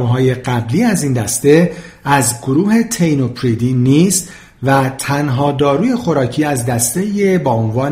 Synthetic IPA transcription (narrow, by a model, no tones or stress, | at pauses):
vɦɒːje̞ɢæbliːæziːnd̪æst̪e̞ | æzɡoɾuːhe̞t̪ʰe̞jno̞pʰɾid̪iːniːst̪ | væt̪ʰænɦɒːd̪ɒːɾuːje̞xo̞ɾɒːcʰiːæzd̪æst̪e̞jebɒːonvɒːn